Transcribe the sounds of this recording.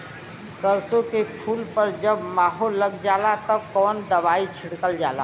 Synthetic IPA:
səɾsokepʰulpəɾd͡ʒəbmaɦolːəɡd͡ʒalat̪əb̚kɔnd̪əbait͡ʃʰiɽkəld͡ʒala̰

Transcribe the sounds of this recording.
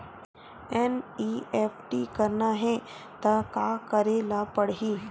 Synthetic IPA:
ɛniːɛːpʈikɐɾnaɦɛ | t̪ɐkaːkɐɾelapɐɽɦiː

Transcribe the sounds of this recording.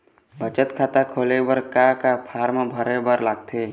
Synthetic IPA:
bət͡ʃət̪kʰaːt̪akʰoːlebəɾkakapʰaːɾmabʱəɾebəɾlaːɡ̚t̪ʰe

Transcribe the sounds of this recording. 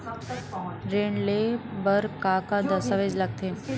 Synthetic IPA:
ɾeːɳlebəɾkaːkad̪əsaʋeːd͡ʒlɐɡ̚t̪e

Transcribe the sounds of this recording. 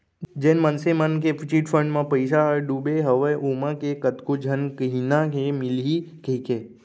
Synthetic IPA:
d͡ʒẽnmənsemankepʰit͡ʃiʈfəɳɖmãpəjʃ̬aəɾɖubeɦəʋəjʔomãkekət̪kod͡ʒʱənkəɦinãɦemilɦikəke

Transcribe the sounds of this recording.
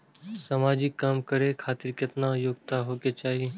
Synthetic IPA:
samaːd͡ʒikːaːmkəɾekʰaːt̪ɪɾkɪt̪najoːɡt̪aɦoːket͡ʃaːɦie

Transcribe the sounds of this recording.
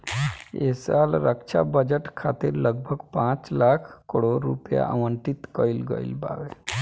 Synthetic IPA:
esaːlɾəkt͡ʃʰa̰bəd͡ʒəʈkʰaːt̪iɾləɡ̚bʱəɡpãːt͡ʃlaːkʰkəɽoɾṵpja̰ʔə̰ʋəɳʈit̪kəilɡə̰ḭlba̰ːwe

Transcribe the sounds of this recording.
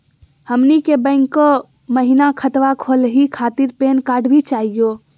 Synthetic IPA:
həmnikebə̃ɪ̃ŋkːɔ | məɦinakʰət̪ʋakʰolɦikʰat̪iɾpeːnkaːɖʱbʱit͡ʃaːɦijo

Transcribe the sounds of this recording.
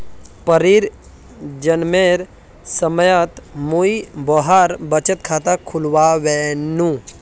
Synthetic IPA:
pəɾiɾ | d͡ʒənmeɾ | səməjət̪muibɔɦaɾbət͡ʃət̪̚kʰaːt̪akʰʊlʋaʋenũ

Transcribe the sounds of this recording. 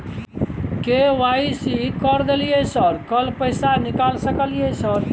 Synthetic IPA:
keʋaisikəɾd̪elijesəɾkəlpəɪsanikalsəkəlijesəɾ

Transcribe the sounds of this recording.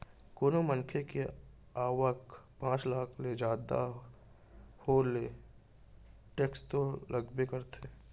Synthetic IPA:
koːnomənkʰeke | aːwəkpãːt͡ʃlaːkʰled͡ʒaːd̪a̰ | hoːle | ʈeːkst̪olʔəɡbekəɾt̪ʰeː

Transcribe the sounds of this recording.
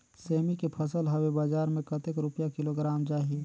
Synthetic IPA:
seːmikepʰəsəlɦɐwebaːd͡ʒaːɾmẽkət̪ekɾʊpijakɪloɡɾaːmd͡ʒaːɦi

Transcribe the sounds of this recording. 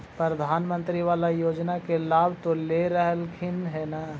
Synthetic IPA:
pɾɾəd̪ʱaːnmə̃nt̪ɾiʋaːlajoːd͡ʒnakelaːbt̪oleɾəɦəlkʰɪnɦɛnaː

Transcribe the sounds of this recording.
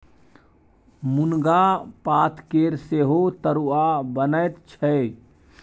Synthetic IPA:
munɡapat̪ʰkeɾseɦot̪əɾuabənət̪t͡ʃʰə

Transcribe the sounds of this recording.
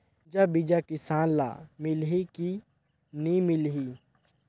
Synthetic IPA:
d͡ʒabid͡ʒakɪsaːnla̰ːmɪlɦiki | nĩmɪlɦi

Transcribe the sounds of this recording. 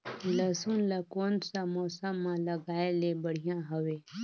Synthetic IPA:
ləsunlakonsamosamːãləɡaelebəɽ̤ijãɦəʋe

